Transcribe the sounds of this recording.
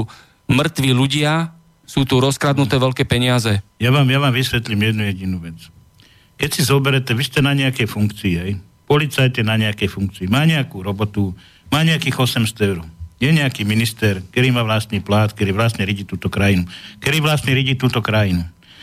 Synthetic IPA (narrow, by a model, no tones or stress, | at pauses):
mr̩t̪ʋiʎuɟɪa | suːt̪uɾɔskɾad̪nut̪ɛːʋɛʎkɛːpɛɲɪazɛjaʋaːmjaʋaːmʋisʋɛt̪limjɛd̪nujɛɟinuːʋɛt͡s | kɛcsizɔbɛɾɛt̪ɛʋistcɛnaɲɛakɛjfuŋkt͡siːɦɛj | pɔlit͡sajc̪ɛnaɲɛakɛjfuŋk̚t͡siːmaːɲɛakuːɾɔbɔt̪u | maːɲɛakiːɣɔsɛmst̪ɔɛʊɾuɛɲɛakiːminist̪ɛɾk̚k̪ɛɾiːmaːʋlast̪niːplaːt̪kt̪ɛɾiːʋlast̪ɲɛɾiɟiːt̪uːt̪ɔkɾajinukɛɾiːʋlast̪ɲɛɾiɟiːt̪uːt̪ɔkɾajinu